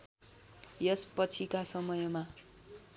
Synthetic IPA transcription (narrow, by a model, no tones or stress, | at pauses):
jʌspʌt͡sʰikasʌmʌjma